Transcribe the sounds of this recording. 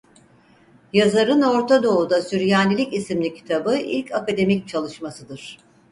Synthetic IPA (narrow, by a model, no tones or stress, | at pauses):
jazaɾɯno̞ɾt̪ʰad̪o̞ud̪asyɾjaːnʲilʲicisimlʲicʰi̥t̪ʰabɯḭlʲcʰakad̪e̞mict͡ʃʰalˠɯʃmasɯd̪ɯɾ̥